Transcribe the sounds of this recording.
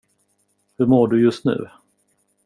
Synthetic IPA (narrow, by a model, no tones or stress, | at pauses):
hɵɾmoːɖɵjɵst̪nʉ̟̰ː